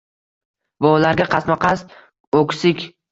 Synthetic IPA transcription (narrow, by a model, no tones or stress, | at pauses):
vaulaɾɡʲaqʰɑsmaqʰɑst̪ | okʲsɪkʲ